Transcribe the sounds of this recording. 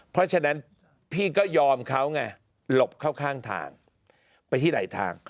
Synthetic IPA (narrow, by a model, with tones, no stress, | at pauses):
pʰɾɔ˦˥t͡ɕʰa˧na˦˥n | pʰiː˥˩kɔː˥˩jɔː˧mkʰa˦˥wŋa˧˩ | lo˨˩p̚kʰaː˥˩wkʰaː˥˩ŋt̪ʰa̰ː˧ŋ | pa˧jt̪ʰiː˥˩da̰˨˩˦jt̪ʰa̰ː˧ŋ